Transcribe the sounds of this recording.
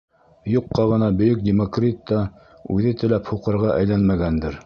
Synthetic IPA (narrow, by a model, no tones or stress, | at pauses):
juqːɑʁɤ̆nɑbɵ̆jɵk̚dʲɪmokrʲit̪ːɑ | ʉðɘt̪ɘ̆læphuqɤ̆ɾʁɑʔæjlænmæɡænd̪ɘɾ